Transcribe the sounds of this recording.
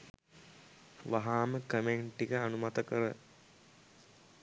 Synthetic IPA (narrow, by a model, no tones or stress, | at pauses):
ʋaɦaːməkəmeɳʈːikəanumat̪əkəɾə